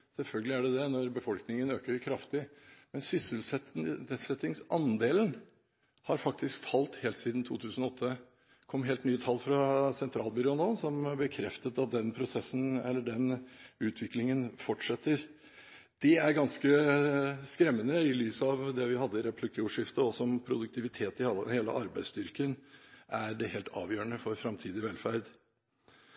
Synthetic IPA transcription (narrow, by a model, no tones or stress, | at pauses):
sɛlfœlɡəlɪæɖɛd̪ɛnɔɾbəfɔlknɪŋənøːkəɾkʰɾɑft̪ɪmɛnsʏsəlsɛsɛt̪ːɪŋsɑnd̪eːln̩ | hɑɾfɑk̚t̪ʰɪskfɑlt̪heːlt̪siːd̪n̩t̪ʰuːt̪ʰʉːsən̩ɔɔt̪ʰːə | kʰɔmːɦeːlt̪nyːət̪ʰɑlːfɾɑsɛnt̪ʰɾɑːlbʏɾɔnoːsɔmbəkʰɾɛft̪ət̪ɑt̪̚d̪ɛnpʰɾʊsɛsːn̩ɛ̰lːəɖɛnʉːt̪ʰʋɪklɪŋənfɔʈʂɛt̪ːəɾ | d̪̥ɛæɾɡɑnskə | skɾɛmːənəɪlyːsɑʋd̪ɛʋɪhɑd̪ːəɪɾɛpʰlɪkʰːʊːʂɪft̪əɔsɔmpʰɾʊd̪ʉk̚t̪ʰɪʋɪt̪ʰeːt̪ɪheːlə̰ʔɑɾbæɪst̪ʏɾkənʔæɾɖɛheːlt̪ʰɑ̰ːʋjøːəɳəfɔɾfɾɑmt̪ʰiːd̪ɪʋɛlfæɾd̪